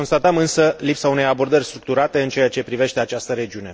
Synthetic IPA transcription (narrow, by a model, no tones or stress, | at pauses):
o̞nst̪at̪əmɨnsəlipsaune̞jabo̞rd̪ərʲst̪ɾuk̚t̪uɾat̪e̞ɨnt͡ʃe̞jat͡ʃe̞pɾive̞ʃt̪e̞at͡ʃast̪əɾe̞d͡ʒiune̞